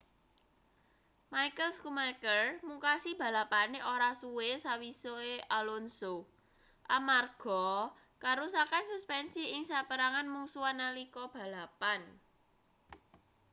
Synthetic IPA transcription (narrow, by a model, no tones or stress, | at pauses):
majkəlskumarkərmuŋkasib̥a̤lapaneʔoɾasuwesawisoeʔalonso | ʔamarɡ̥ɔ | kaɾusakansuspɛnsiɪŋsapəɾaŋanmusuanalikɔb̥ä̤lapan